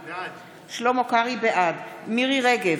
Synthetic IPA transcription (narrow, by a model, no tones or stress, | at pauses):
ʃlomokaʁibeʔad̪miʁiʁeɡev